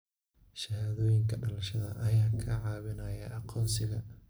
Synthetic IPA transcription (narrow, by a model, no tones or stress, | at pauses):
ʃɐhaːðɔːjɪŋkʰɐɖɐlɐʃɐðɐ̰ʔɐjaːkʰɐʕɑːβɪnɐjɐʔɑqʰɔːnsɪɣɐ